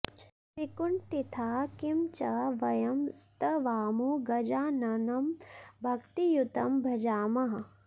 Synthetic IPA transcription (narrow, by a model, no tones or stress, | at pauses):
pikuɳʈit̪ʰaːkimt͡ʃɐʋɐjɐmst̪ɐʋaːmuɡɐd͡ʒaːnɐnɐmbʱɐkt̪ijut̪ɐmbʱɐd͡ʒaːmɐɦɐ